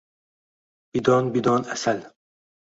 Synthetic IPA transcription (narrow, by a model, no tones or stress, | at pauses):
b̥id̪ɔːnbid̪ɔːnæsal